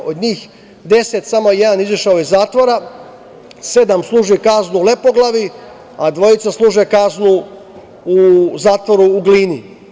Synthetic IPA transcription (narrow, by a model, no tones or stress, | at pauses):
od̪ɲiːx | d̪e̞set̪samojed̪aniziʃaojezaːt̪ʋoɾa | se̞d̪amslˠuːʒikaznule̞poɡlˠaʋi | ad̪ʋo̞jit̪saslˠuːʒekaznu | uzaːt̪ʋoɾuːɡliːni